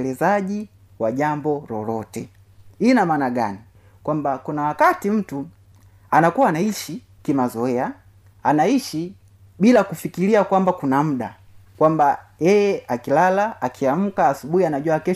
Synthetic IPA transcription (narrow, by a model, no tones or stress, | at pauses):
lɛzaʄi | waʄambɔɾɔ̰lɔtɛ | inamaːnaɡa̰ni | kwambakunawakatim̩tu | anakuwaːnaiʃi | kimazɔɛa | anaiʃi | ɓilakufikiliakwambakunam̩ɗa̰ | kwambajɛjɛakilalaakʰiam̩kaːsuɓuhianaʄwuakɛ